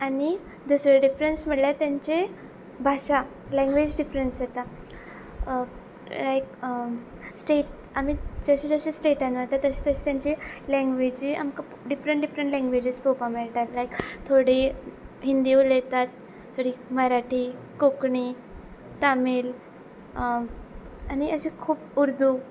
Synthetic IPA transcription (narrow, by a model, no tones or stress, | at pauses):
ani | d̪usɾeɖifɾensm̤əɽljat̪jãɲt͡ɕe | bʱaɕa | lɛ̃ŋɡʋed͡ʑɖifɾənsjet̪a | lajk | sʈeʈ | amid͡zəɕed͡zəɕesʈeʈãnʋət̪at̪ːəɕet̪əɕt̪jaɲt͡ɕelɛ̃ŋɡʋed͡ʑia̰mka | ɖifɾəɳʈɖifɾəɳʈlɛ̃ŋɡʋed͡ʑespopameɭʈ̪at̪lajkt̪ʰoɽiɦind̪iulet̪at̪ʰː | oɽiːməɾaʈʰi | kokɳiː | t̪amel | aɽ̃iəɕekʰuːbuɾd̪u